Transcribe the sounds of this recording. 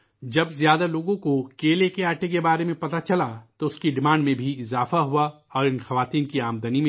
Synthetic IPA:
d͡ʒɐbzjaːd̪aloːɡõkokeːlekeaːʈekebaːɾemẽpɐt̪at͡ʃɐlat̪oʊskiɖɪmãːɳɖmẽbʱiɪzaːfaɦua | ɔːɾɪnxɐʋaːt̪iːnkiaːmd̪ənim̃

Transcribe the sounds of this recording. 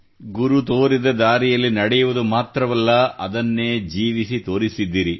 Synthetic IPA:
ɡuɾut̪oːɾid̪ɐd̪aːɾijɐlːinɐɽɛjuʋud̪umaːt̪ɾɐʋɐlːɐɐd̪ɐnːe̞ːd͡ʒiːʋisit̪o̞ːɾisid̪ːiːɾi

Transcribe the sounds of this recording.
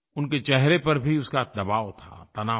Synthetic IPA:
ʊnket͡ʃɛɦɾepɐɾbʱiʊskad̪ɐbaːot̪ʰa̰t̪ɐnaː

